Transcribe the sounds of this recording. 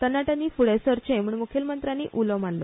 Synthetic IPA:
t̪ənːaʈãnːiːfuɽesəɾt͡ɕẽmuɳmukʰelmənt̪ɾanḭʔuləmanlo̰

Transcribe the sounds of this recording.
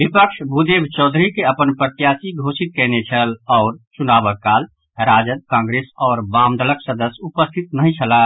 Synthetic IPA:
bipəkʃʰbud̪ebt͡ʃɔːd̪ʱɾikeəpənpɾət̪jaːsiɡʱosit̪̚kɛnet͡ʃʰəlɔːɾt͡ʃunaːbəkːaːl | ɾaːd͡ʒəd̪̚kãːŋɡɾesɔːɾbãːmd̪ələksəd̪əsupəst̪ʰit̪nəɦĩt͡ʃʰəla

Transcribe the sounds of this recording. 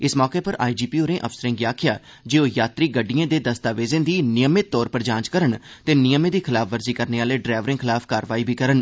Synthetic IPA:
ɪsmɔːkeːpəɾʔa̰ːid͡ʒiːpiːoːɾẽːʔəfsəɾɪ̃ːŋɡiaːkʰɪjaː | d͡ʒeːoːjaːt̪ɾiːɡəɖiãːd̪eːd̪əst̪aːʋeːzẽːd̪iːnɪjəmɪt̪ːɔːɾpəɾd͡ʒãːɲt͡ʃkəɾənt̪eːnɪjəmẽːd̪iːkʰɪlaːpʰʋəɾziːkəɾneːaːleːɖɾaːʋəɾɪ̃ŋkʰɪlaːpʰkaːɾʋaːiːbʱiːkəɾən

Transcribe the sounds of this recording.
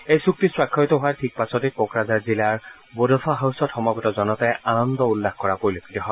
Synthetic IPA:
ejsuk̚tiswakʰːɔjtɔɦoaɹtʰik̚pasɔtepokɹazaɹzilaɹ | bodɔfʰaɦawsɔtxɔmɔɡɔtɔzɔnɔtɛanɔndɔulːaxkɔɹapoɹilokʰitɔɦɔ

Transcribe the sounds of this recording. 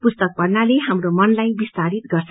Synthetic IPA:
pust̪ʌk̚pʌrnaleɦamromʌnlajbist̪aɾit̪ɡʌrt͡sʰ

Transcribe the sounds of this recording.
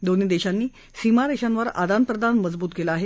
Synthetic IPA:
d̪onid̪eɕanːiː | simaɾeɕanʋəɾa̰d̪anpɾəd̪anməd͡zbuːt̪kelaːɦe

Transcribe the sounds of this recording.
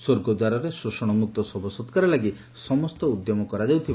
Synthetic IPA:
swoɾɡɔd̪waɾɔɾesɾusɔɽ̃ɔmuk̚t̪ɔsɔbʱɔsɔt̪kaɾɔlaɡi | sɔmɔst̪ɔud̪jɔmɔkɔɾad͡ʒawt̪ʰiba

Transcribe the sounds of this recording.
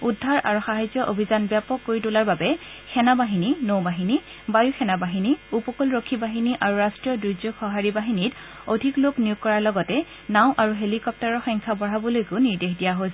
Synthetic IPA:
udʱːaɹa̰ɹuxaɦajzɔʔobʱizanbjapɔkːoɹitʊlaɹbabɛkʰɛnabaɦininobaɦini | bajuxʰɛnabaɦiniupɔkolɹokʰːibaɦiniʔaɹuɹastɹijɔduzuxɔɦaɹibaɦinit | odʱikloknijuk̚kːɔɹaɹlɔɡɔtɛ | naʊ̃ʔaɹuɦelikɔp̚taɹɔxɔjŋkʰabɔɹabɔlojkʊniɹdexdijaɦos

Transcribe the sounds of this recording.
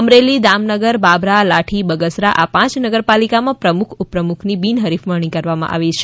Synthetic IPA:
əmɾelid̪amnəɡəɾbabɾalaʈʰibəɡəsɾaʔapãt͡ʃnəɡəɾpalikamãpɾəmukʰupɾəmukʰnibinɦəɾifməɳ̃ikəɾʋamã̰ʔa̰ʋet͡ʃʰe

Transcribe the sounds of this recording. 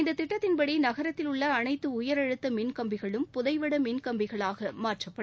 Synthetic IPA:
ɪnd̪ɐt̪ːɪʈːɐt̪ːɪnpɐɽinɐɣɐɾɐt̪ːɪlʊɭːɐːnɐɪt̪ːɯʊjɐɾɐɻɯt̪ːɐmɪnkɐmbɪɣɐɭɯmpʊðɐɪʋɐɽɐminkɐmbɪɣɐɭaːɣɐmaːɾʈrɐpːɐɽ

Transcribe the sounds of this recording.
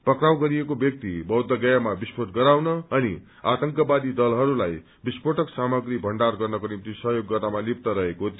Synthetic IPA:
pʌkrawɡʌɾijekobjʌk̚t̪ibʌwd̪ʱːʌɡʌjamabispoʈɡʌɾawnʌːni | at̪ʌŋkʌbad̪id̪ʌlɦʌɾulaj | bispoʈʌksamʌɡɾibʱʌɳɖarɡʌrnʌkonimt̪isʌɦjoɡːʌrt̪amalip̚t̪ʌɾʌɦekot̪

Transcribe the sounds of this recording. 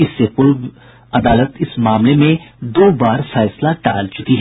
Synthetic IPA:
ɪsːepʊɾʋ | ɐd̪aːlət̪ɪsmaːmlemẽd̪oːbaːɾfɛːslaʈa̰ːlt͡ʃʊt̪iɦɛː

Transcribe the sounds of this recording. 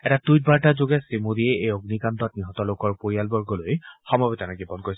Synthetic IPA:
ɛtatujt̚baɹtazoɡɛsimudiɛʔejoɡnikantɔt̚niɦɔtɔlokɔɹpoɹialbɔɹɡɔlojxɔmɔbitanaɡibɔnkoɹis

